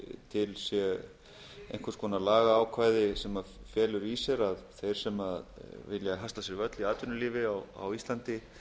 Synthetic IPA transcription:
t̪ʰɪlsjɛ | ḛjŋ̥kʏɾskʰvɔːnalaːɣaːwkʰvaːjðɪsɛmafjɛːlʏɾisjɛɾaðθejɾ̥sɛmaðvɪ̰ljaɦast̪asjɪɾvœt̪liaːt̪ʏnʏliːvɪawa̰wist̪lant̪ɪ

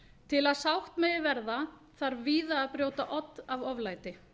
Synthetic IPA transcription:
t̪ʰɪlaðsawht̪mɛjɪvɛɾða | θaɾviːðaːðpɾjoːwt̪aʔɔt̪ːavɔvlaːjt̪ɪ

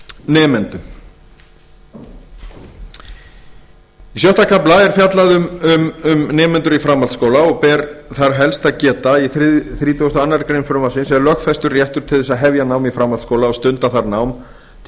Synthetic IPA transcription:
nɛːmɛnt̪ʏ | isjœht̪akʰaplaɛɾ̥fjat̪laðʏʏmʏmnɛːmɛnt̪ʏɾifɾamːalt̪skoːwlaɔɣpɛːɾθaɾɦɛlst̪aðcɛːt̪aiθθɾiːt̪ʰuɣst̪ʏanːaɾkɾejnfɾʏmasɪnsɛlœkfɛst̪ʏrjɛht̪ʏɾ̥t̪ʰɪlðʏsaðɦɛvjanaːwmifɾamalt̪skoːwlaɔst̪ʏnt̪aθaɾnawm | t̪ʰ

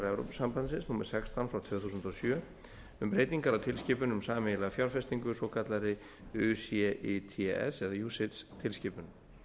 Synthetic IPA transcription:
ɾɛvɾo̰wpsampansɪ̃nsnuːmɛɾ̥sɛkst̪ʰanfɾawt̪ʰvʏθuːsʏnt̪ɔsjœː | ʏmpɾeːjt̪iŋkaɾawt̪ʰɪlscɪːpʏnʏmsaːmɪɪlaɣafjawɾfɛst̪iŋkʏsowkʰat̪laɾɪ | ʏsɛʔet̪ʰiɛ̰sɛðajuːsɪt̪st̪ʰɪlscɪːpʏn

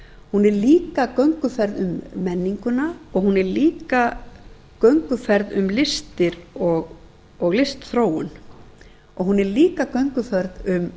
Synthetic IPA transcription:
hunɛɾliːkakœɥŋkʏfɛɾðʏmːɛnːiŋkʏnaɔɣhunɛɾliːka | kœɥŋkʏfɛɾðʏmlɪst̪ɪɾɔɣ | ɔɣlɪst̪θɾoːwʏn | ɔɣhunɛɾliːkakœɥŋkʏfɛɾðʏm

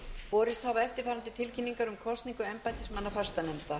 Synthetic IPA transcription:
vɔːɾɪst̪havaɛft̪ɪɾ̥θaɾant̪ɪt̪ʰɪlcʰinːiŋkaɾʏmkʰɔst̪niŋkʏɛmpajnt̪ɪsmanːafaɾ̥st̪anɛmt̪a

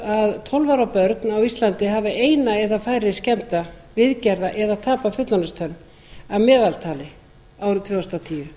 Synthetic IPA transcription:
aðt̪ʰɔlvaɾapœɾt̪nawist̪lant̪ɪɦaːvɪʔeːjnaɛðafaːjɾɪscɛmt̪avɪðcɛɾðaʔɛðaðt̪ʰaːpafʏt̪lanast̪ʰœnː | amɛːðalt̪ʰaːlɪ | awt̪ʰvɛːwsnawt̪ʰiːʏ

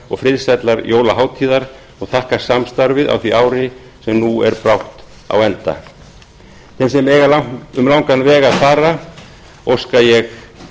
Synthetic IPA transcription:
ɔɣfɾɪðsɛt̪laɾjʔoːwlaɦaːwt̪ʰiːðaɾ | ɔɣθahkḁsamst̪aɾvɪða̰wθviʔaːwɾɪ | sɛmnuɛɾpɾawht̪ | a̰wɛnt̪a̰ | θɛmsɛmɛːɣalaʏmlawŋkanvɛːɣaðfaːɾa | owskajɛɣ

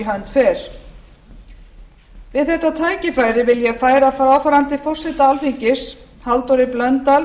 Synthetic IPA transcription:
ɦaɥnt̪fɛːɾ̥ | vɪðθɛht̪ːat̪ʰaːjcɪfaːjɾɪvɪljɛafaːjɾafaːɾaːwfaːɾant̪ɪfɔr̥sɛt̪aalfiɲcɪs | halt̪ɔɾɪplœnt̪al

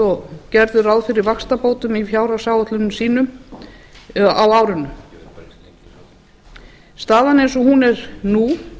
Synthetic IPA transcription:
ɔcɛɾðʏɾawðfɪɾɪɾvakst̪apoːwt̪ʏmifjaːwɾasaːwat̪lʏnʏmsiːnʏm | awaːwɾʏnːʏm | st̪aːðanejnsɔhunɛɾ̥nu

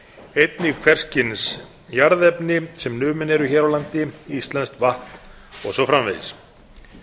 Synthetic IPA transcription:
ejt̪nɪkʰvɛr̥scɪns | jaɾðɛpnɪsɛmnʏːmɪnɛɾʏçɛːɾawlant̪ɪist̪lɛnst̪vaht̪n | ɔɣsɔfɾamvḛðɪs

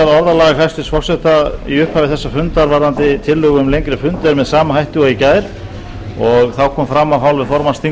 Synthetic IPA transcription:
aðɔɾðalaːɣaɦajst̪ɪsfɔ̥sɛht̪aḭʏhphaːvɪθɛsːafʏnt̪aɾvaɾðant̪ɪt̪ʰɪlːʏːɣʏmlejŋkɾɪfʏnt̪aɾmɛðsaːmaɦajht̪uɣaicaːjɾ̥ | ɔɣθawkʰɔːmfɾamːawɦawlvɪðfɔɾmanst̪ʰiŋ

